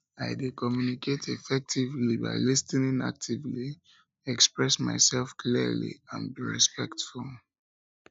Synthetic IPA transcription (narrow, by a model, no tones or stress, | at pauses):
aɪdekɔmjuniketʰɛfɛk̚tʰivliba̰ɪlistinĩŋa̰k̚tʰivli | ɛkspɹɛsma̰ɪsɛlfkʰlilḭã̰nbiɹḭspɛktfulˠ